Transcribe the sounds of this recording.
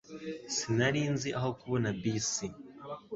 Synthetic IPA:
sinaɾiːnziʔaɦo̞kuβonabisi

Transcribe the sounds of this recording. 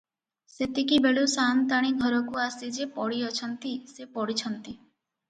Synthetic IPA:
set̪ikibeɭusant̪aɽ̃iɡʱɔɾɔkuasid͡ʒepɔɽiɔt͡ʃʰɔnt̪isepɔɽit͡ʃʰɔnt̪i

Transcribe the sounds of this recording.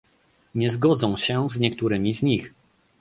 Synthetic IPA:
ɲɛzɡɔd̪zɔ̃w̃ɕɛzɲɛkt̪uɾɘmʲizɲix

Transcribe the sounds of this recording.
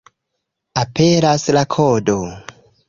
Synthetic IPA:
apʰeɾaslakʰodo

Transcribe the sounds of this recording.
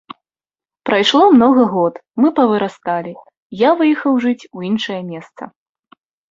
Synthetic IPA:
pɾajʂlˠɔmnɔɣɐɣɔt̪mɨpɐvɨɾast̪alʲi | javɨjxɐwʐɨt͡sʲuinʂɐjɐmʲɛst̪sɐ̰

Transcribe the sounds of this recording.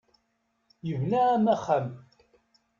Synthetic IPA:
jəvnææmæχæm

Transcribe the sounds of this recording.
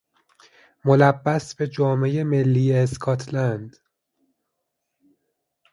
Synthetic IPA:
mo̞læbːæsbe̞d͡ʒɒːme̞jeme̞lːiːjeːskʰɒːt̪ʰlænd̪̥

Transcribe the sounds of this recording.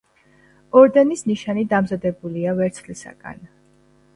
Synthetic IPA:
ɔɾd̪ɛnisniʃanid̪amzad̪ɛbuliavɛɾt̪sʰlisa̰ɡa̰n

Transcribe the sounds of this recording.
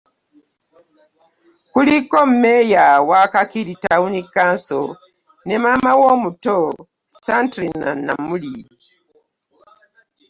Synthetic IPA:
kulikom̩mejawakakiɾitaunikaːnso̰ | nemamawomuto | santɾina̰na̰muli

